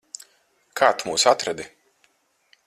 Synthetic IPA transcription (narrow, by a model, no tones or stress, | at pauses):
kʰaːt̪muːsat̪ɾɛd̪i